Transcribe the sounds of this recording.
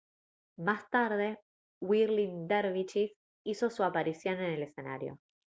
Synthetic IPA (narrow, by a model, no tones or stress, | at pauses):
mast̪aɾðe̞ | wiɾlind̪eɾβit͡ʃif | iso̞suapaɾisjo̞ne̞ne̞le̞se̞na̰ɾjo̰